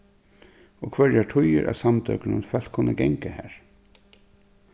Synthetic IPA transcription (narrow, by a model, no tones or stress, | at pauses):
ɔkʰvœɹjaʈʰʊjəɾʔæ̰samt̪œknənfɛl̥t̪̚kʰʊnːəɡɛŋkahæːɹ